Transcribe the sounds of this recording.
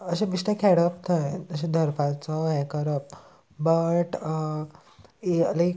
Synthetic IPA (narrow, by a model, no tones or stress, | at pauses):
əɕẽbiʂʈẽkʰɛɽəp̚t̪ʰəjəɕẽd̪ʱəɾpat͡sɔɦɛ̃kəɾəp̚ | bəʈə | elaj